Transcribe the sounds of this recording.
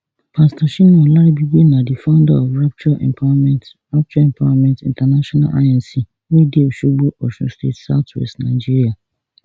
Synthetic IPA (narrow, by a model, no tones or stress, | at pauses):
pʰãstʰaʃinʊ̃ɔlaɾɪbibenãdifãʊ̃nda̰ɔfɹap̚t͡ʃua | ɹap̚t͡ʃuaɛ̃mpʰawamɛ̃ntḭ̃ntʰanaʃɔ̃na̰lʔa̰jãnsi | wɛdioʃubuɔʃʊ̰̃stʰḛtsaʊtʰwɛ̰stnãd͡ʒiɾia